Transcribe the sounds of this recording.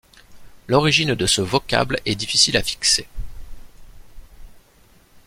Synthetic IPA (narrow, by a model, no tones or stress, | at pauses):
lɔʁiʒind̪əsəvɔkʲa̰blɛd̪ifisilafi̥kse